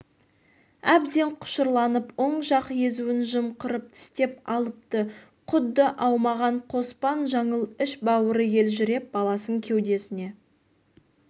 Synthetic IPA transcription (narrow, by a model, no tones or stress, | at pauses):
æbd̪e̞ɴqʰʊ̥ʃəɾlˠɑnəpwoɴʒɑqje̞zuɪnʒəmqəɾəp̚t̪ʰɪ̥st̪e̞pɑlˠəp̚t̪ə | qʰʊd̪ːəʔɑwmɑʁɑɴqʰo̞spɑnʒɑɴəlˠʏʃbɑwəɾəje̞lʒʏɾe̞p̚bɑlˠɑsəŋkʲʰe̞wd̪e̞sɪne̞